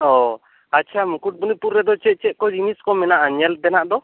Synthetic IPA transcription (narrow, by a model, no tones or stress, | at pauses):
ɔ | atːt͡ʃʰamukuʈ̚bunipuɾːɛd̪ɔt͡ʃɛt̪̚ˀt͡ʃɛt̪̚kɔd͡ʒiniskɔmɛnaʔaɲɛlt̪ɛnaʔd̪ɔ